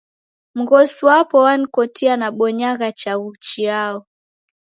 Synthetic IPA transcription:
m̩ɣɔsuwapɔwanikɔtianaɓɔɲaɣat͡ʃaɣut͡ʃiaɔ

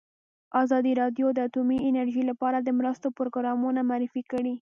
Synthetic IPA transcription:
ɑzɑd̪iɾɑd̪jod̪əat̪umiɪnaɾʒilapɑɾad̪əmɾəst̪opɾoɡɾɑmunamaːɾɪfikəɽi

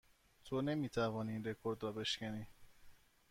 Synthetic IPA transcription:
t̪ʰone̞miːt̪ʰævɒːniːnɾe̞kʰoɾd̪ɾɒːbe̞ʃcæniː

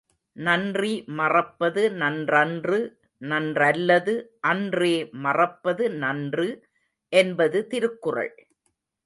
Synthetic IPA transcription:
nɐndrimɐrɐpːɐðɯnɐndrɐndrɯ | nɐndrɐlːɐðɯʔɐndreːmɐrɐpːɐðɯnɐndrɯ | ʔɛnbɐðɯt̪ɪɾɯkːɯrɐ̰ɭ

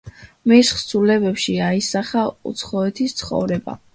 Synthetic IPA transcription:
misχsʰulɛbɛpʃiaisaχaṵt̪sʰχɔɛt̪ʰist̪sʰχɔ̰vɾɛba̰

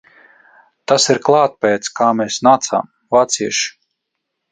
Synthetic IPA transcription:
t̪asiɾklˠaːt̪̚pɛːt̪skaːmɛːsnaːt̪sa̰ːm | vaːt̪siɛʃ

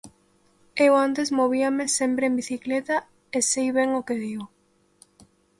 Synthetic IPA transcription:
ewant̪esmoβ̞iamesempɾeembiθiklet̪a | esejβeŋokeðiw

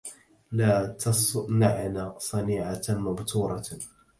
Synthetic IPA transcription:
laːt̪ɑnaʕnasˤɑniːʕamabt̪ʰuːɾˤɑ

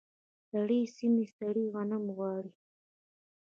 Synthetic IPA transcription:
d̪aɽiːsimist̪aɽiɣanamɣwɑːɽi

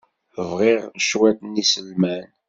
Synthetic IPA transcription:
vʁɪʁʃwæt̪nisəlmæn

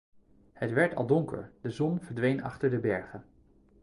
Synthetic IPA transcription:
hətʋɛɹtʰɑ̰lˠdɔŋkə̰ɹdəzɔnvəɹdʋejnɑ̰χtəɹdəbɛɹχən

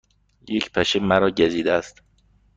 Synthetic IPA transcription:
jecʰpʰæʃemæɾɒːɟæziːd̪ææst̪

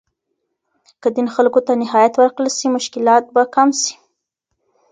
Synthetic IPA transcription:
kəd̪inxalkot̪anɪɦɑjat̪wəɾkɽəlsimʊʃkɪlɑt̪̚bakamsi̥

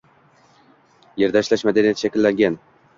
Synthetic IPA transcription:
jeɾd̪aɪʃlaʃmad̪anijat̪ʃakʲɪlːaŋɡʲan

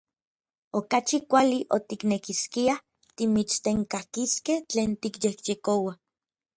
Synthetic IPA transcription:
okat͡ʃikʷaliʔot̪iknekiskia | t̪imit͡st̪eŋkakiskeht͡ɬeːnt̪ikjehjekowa

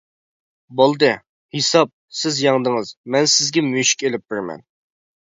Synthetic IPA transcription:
bolˠd̪ɨ | hisɑp̚sɪzjɑŋd̪ɨŋɨzmɛnsɪzɡʲɛmyʃi̥kʲelɪp̚bɪɾmɛ̰n

